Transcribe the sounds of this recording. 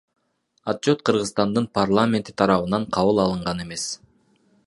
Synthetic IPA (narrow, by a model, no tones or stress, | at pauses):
ɑt̪̚t͡ʃo̞t̪̚qʰɯɾʁɯzst̪ɑnd̪ɯnparlˠamʲe̞nt̪i̥t̪ʰɑɾɑβɯnɑɴqʰɑβɯlˠɑlˠɯɴʁɑne̞me̞s